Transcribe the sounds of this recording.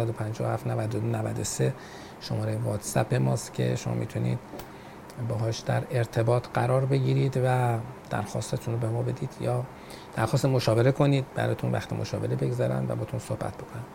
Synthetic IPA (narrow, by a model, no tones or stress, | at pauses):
æd̪opʰænd͡ʒɒːohæft̪nævæd̪od̪onævæd̪ose | ʃo̞mɒːɾejvɒːt̪sæpe̞mɒ̰ːst̪cʲʰe̞̰ʃomɒ̰ːmḭːt̪ʰunḭːd̪̥ | bɒːɦɒːʃd̪æ̰ɾe̞ɾt̪ʰe̞bɒːt̪ʰɢæɾɒːɾbe̞ɟiːɾiːd̪væd̪̥æ̰ɾxɒ̰ːst̪et̪ʰunɾobemɒːbe̞d̪iːd̪̥jɒː | d̪̥æɾxɒːst̪emo̞ʃɒːbe̞ɾe̞kʰo̞niːd̪̚bæ̰ɾɒ̰ːt̪ʰunvæ̰xt̪ʰemʔo̰ʃɒːbe̞ɾebe̞ɡzɒːɾæ̰nd̪væ̰bɒːt̪ʰunsohbæ̰t̪̚ʰb̥o̞kʰonæ̥